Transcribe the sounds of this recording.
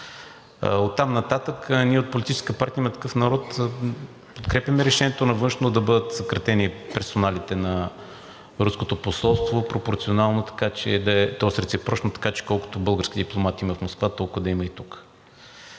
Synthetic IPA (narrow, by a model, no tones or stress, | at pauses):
ot̪ːamnɐt̪at̪əkniɛot̪̚polʲit̪it͡ʃɛ̥skpaɾt̪ʲiəimɐt̪ɐ̥kɤfnɐɾɔt̪ | pot̪kɾɛpʲjɐmɛɾɛʃɛnʲiɛt̪onɐvɤnʃnot̪od̪ɐbɤd̪ət̪sɐkɾɐt̪ɛnipɛɾsonalit̪ɛnɐ | ɾuskot̪oposɔlˠst̪vopɾopoɾt̪sionalˠnot̪ɐ̥kat͡ʃɛ̰d̪ɐɛt̪ɔsɾɛt̪sɛpɾɔʃnot̪ɐ̥kat͡ʃɛ̥kɔlˠkʊ̥t̪obɤlˠɡəɾskid̪iplˠomat̪imɐfmoskvat̪ɔlˠkʊd̪ɐimɐit̪uk